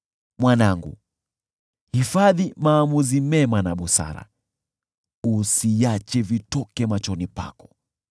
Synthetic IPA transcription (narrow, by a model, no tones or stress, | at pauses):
mwanaŋɡṵ | hifaðimaːmuzimɛmanaɓusa̰ɾa̰ | usijat͡ʃɛvitɔkɛmat͡ʃɔnipa̰kɔ̥